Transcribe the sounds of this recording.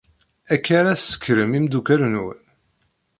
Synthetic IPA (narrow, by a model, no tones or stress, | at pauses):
ækːaɾasːə̥kːɾəmimd̪ukæɾnwn